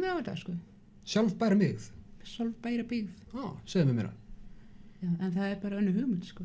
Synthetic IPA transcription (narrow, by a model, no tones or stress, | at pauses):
ðavat̪a̰skʏ | sjalvpajɾamɪɣθsjalvpaːjɾapɪɣðoseːjðɪmvɪmɛ̰ɾa̰n | jaːɛnθaðɛɾpaːɾaœnːʏɦʏɣmʏt̪skɔ